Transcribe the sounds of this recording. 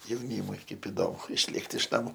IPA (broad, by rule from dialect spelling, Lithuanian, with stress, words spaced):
jɛʊˈnʲiːmʊɪ ˈkɐɪp ɪˈdoːmʊ ɪʃʲˈlʲeːkt ɪʃ nɐˈmʊ